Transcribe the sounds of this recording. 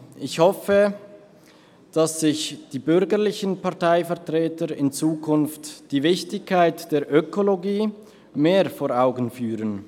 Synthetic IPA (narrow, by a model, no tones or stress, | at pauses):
ʔɪçhɔfə | d̥asz̥ɪçd̥iːbʏɾɡəʁlɪçənpaɐtaɪfɛɐtʁ̥eːtəɾɪnt͡suːkʰʊnftd̥iːvɪçtɪçkʰːaɪtd̥eːɐʔøkʰoloɡiː | meːfoːɐaʊɡən̩fyːʁən